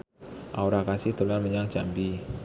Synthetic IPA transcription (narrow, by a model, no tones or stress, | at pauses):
ʔauɾakasɪhd̪olanməɲaŋd͡ʒambi